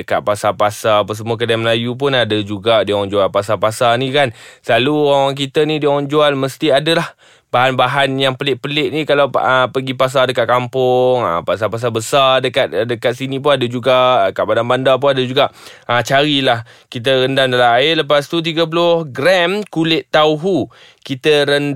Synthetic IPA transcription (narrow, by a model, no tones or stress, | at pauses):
dəka̰t̪̚pasapasaapəs̬əmuak̬ədajaməlajup̬ʊnadad͡ʒuɡadiaŋɔŋd͡ʒualpasapasanikansəlaluowawaŋk̬it̪ənidiaŋaŋd͡ʒualməst̪iadalah | baɦanbaɦanjaŋpəlɪʔ̚pəlɪʔ̚nikalawəpəɡipas̬adəkat̪̚kampʊŋə̰pas̬apas̬abəsadəkat̪̚dəkat̪̚sinĩp̬ʊnadəd͡ʒuɡakaʔbadanbandap̬ʊnadəd͡ʒuɡaʔʔət͡ʃaɾilah | kit̪̬əɾəndamdalaaɪləpast̪ut̪̬iɡap̬əlʊhɡɾɛmkulɪʔt̪ːauɦu | kit̪əɾən